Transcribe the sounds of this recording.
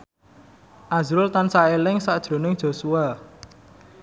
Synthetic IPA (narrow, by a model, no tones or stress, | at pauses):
ʔazɾʊlt̪ansaelɪŋsaʔd̥ʒ̥ɾo̤nɪŋd̥ʒ̥o̤sua